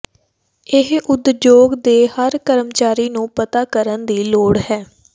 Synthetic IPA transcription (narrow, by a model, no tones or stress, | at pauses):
ɪɦʊd̪d͡ʒjoːɡd̪eːhəɾkəɾəmt͡ʃaːɾiːnũːpət̪aːkəɾənd̪iːloːɽhɛː